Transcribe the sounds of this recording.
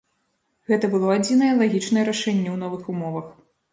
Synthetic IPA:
ɣɛt̪ɐbɨlˠɔad͡zʲinɐjɛlˠaɣʲit͡ʂnɐjɛɾaʂɛnʲːɛwnɔvɨxumɔvɐx

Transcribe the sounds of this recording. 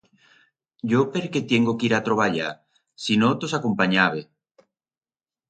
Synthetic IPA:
ɟ͡ʝopeɾket̪jeŋɡokiɾat̪ɾoβaʎa | sinot̪osakompaɲaβe

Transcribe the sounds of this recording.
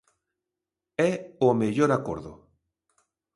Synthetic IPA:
ɛomeʎoɾako̰ɾðo̰

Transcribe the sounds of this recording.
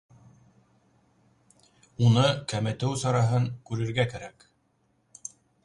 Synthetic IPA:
unɤkæmɘ̆t̪ɘwsɑɾɑɦɤŋkʉɾɘ̆ɾɡækæɾæk

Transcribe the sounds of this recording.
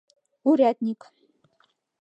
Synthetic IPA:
uɾʲæt̪ʲnʲik

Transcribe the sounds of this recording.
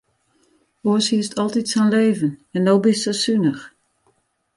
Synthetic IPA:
oəshiəstʰɔlˠtitsɛnleːvənɛndobɪstsəsynəx

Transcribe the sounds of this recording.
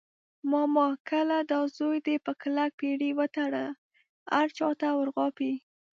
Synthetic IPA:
mɑmɑkəlad̪ɑzojd̪epəklak̚peɽiwət̪aɽə | haɾt͡ʃɑt̪awəɾɣɑpi

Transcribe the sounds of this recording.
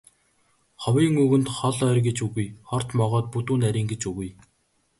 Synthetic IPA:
χɔwiːŋuɣɵ̆nt̪χɔɮœːrɡet͡ɕuɣujχɔr̥t̪mɔʁɔːt̪̚put̪uːnæɾʲiːŋɡet͡ɕuɣuj

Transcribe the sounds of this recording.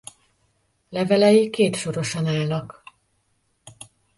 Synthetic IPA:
lɛvɛlɛjikːeːt̪ʃo̞ɾo̞ʃɒnaːlnɒk

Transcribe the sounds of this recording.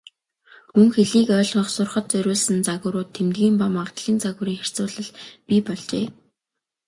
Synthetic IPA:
mɵŋxeɮiːkœːɮɞ̆χsʊrχə̆t̪t͡sœɾʲʊːɮsə̆nt͡saɣʊ̆ːɾʊːt̪ʰːemt̪ɡʲiːmpamaʁt̪ɮ̥iːnt͡saɣʊ̆ːɾiːŋχer̥t͡sʊːɮə̆ɮpipɔɮt͡ɕeː

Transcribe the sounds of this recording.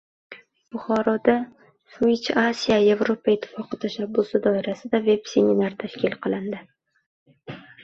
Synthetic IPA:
b̥ʊχɒɾɒd̪a | swit͡ʃasijaje̞vɾo̞paɪt̪ʰːɪ̥fɒqɨt̪ʰaʃabːʊsɪd̪ɒɪɾasɪd̪ave̞bse̞minaɾt̪ʰaʃkʲʰɪlqɨlˠɪnd̪ɪ

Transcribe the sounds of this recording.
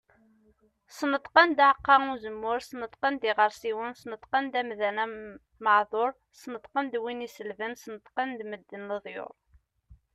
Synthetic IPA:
snət̪ˤqənd̪aʕəqːɑŋuzəmːʊɾsnət̪ˤqənd̪ɪʁəɾˤsiwənsnət̪ˤqənd̪æmðænæ | məʕðˤoɾˤ | sənət̪ˤqənd̪winisəlvənsnət̪ˤqənd̪məd̪ːənːəðˤjo̰ɾˤ

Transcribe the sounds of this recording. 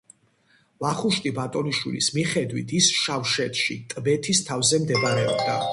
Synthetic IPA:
vaχuʃt̪ʼibat̪ʼɔniʃwḭlḭsmiχɛd̪wḭt̪ʰisʃafʃɛt̪ʰʼʃit̪ʼbɛt̪ʰist̪ʰavzɛmd̪ɛbaɾɛɔ̰bd̪a̰

